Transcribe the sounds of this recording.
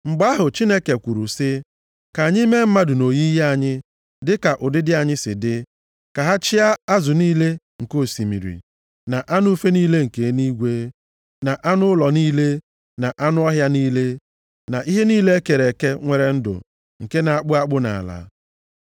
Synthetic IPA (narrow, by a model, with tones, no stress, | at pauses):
ŋ͡m̩˨ɡ͡ba˦ɦʊ˨t͡ʃi˦ne˦ke˨kʷu˨ɾu˨sɪ˦ | ka˨a˨ɲɪ˦me˦m̩˦ma˦dʊ˨no˨ji˦ja˨ɲɪ˦ | dɪ˦ka˨ʔʊ˨dɪ˦dɪ˦a˨ɲɪ˦sɪ̰˨dɪ˦ | ka˨ɦa˦t͡ʃɪ˦a˦a˦zʊ˨niː˦le˦ | ŋ̩˨ko˦˨si˨mḭ˨ɾḭ˨ | na˨ʔa˦nʊ˦u˦fe˦niː˦le˦ŋ̩˨ke˨˦ni˦ɡʷe˦ | na˨ʔa˦nʊ˦lɔ˨niː˦le˦ | na˨ʔa˦nʊ˦ɔ˦ɦja˦niː˦le˦ | na˨ʔi˦ɦe˦niː˦le˦e˦ke˨ɾe˨ke˦ŋʷe˨ɾe˨n̩˦dʊ̰˨ | ŋ̩˨ke˦na˨a˨k͡pʊ˦a˦k͡pʊ˦na̰˨la̰˨